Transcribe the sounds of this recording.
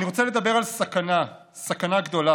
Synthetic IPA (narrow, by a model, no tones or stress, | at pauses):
niʁo̞t͡sele̞d̪ɐbe̞ʁalsakana | sakanaɡd̪o̞la